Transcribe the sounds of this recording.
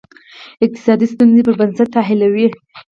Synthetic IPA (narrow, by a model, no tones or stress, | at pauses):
ɪq̚t̪ɪ̥sɑd̪ist̪unzepəɾbansat̪ːaɦɪlawi